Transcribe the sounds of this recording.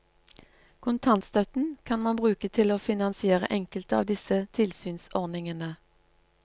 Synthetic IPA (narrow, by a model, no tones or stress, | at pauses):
kʰʊnt̪ʰɑnt̪st̪œt̪n̩kʰɑnmɑnbʁʉːkət̪ʰɪloːfɪnɑnsɪeːʁə̰ʔɛŋkəlt̪əɑ̰ːʋd̪ɪsət̪ʰɪlsyːnsɔʁnɪŋənə